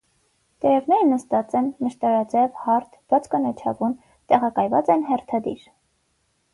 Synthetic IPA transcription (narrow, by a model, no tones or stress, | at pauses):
t̪ɛɾɛvnɛɾnəst̪ɑt͡sɛnməʃt̪ɑɾɑd͡zɛvhɑɾt̪ʰb̥ɑt͡sʰkɑnɑt͡ʃʰɑ̰vun | t̪ɛʁɑkɑjvɑt͡sɛnɦɛrt̪ʰɑd̪ḭɾ